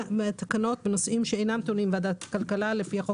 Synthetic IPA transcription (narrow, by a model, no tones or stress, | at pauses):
t̪ḁkano̞t̪benosʔimʃeejnamt̪onimvad̪at̪kalkalalefiaχo